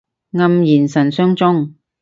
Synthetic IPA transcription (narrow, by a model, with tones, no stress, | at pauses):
ŋɐ˧mjiː˨˩nsɐ˨˩nsœː˥ŋt͡sʊ˥ŋ